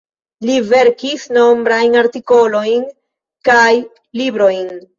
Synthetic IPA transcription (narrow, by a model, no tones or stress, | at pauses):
live̞ɾkisno̞mbɾajnaɾtiko̞lo̞jn | kaj | libɾo̞jn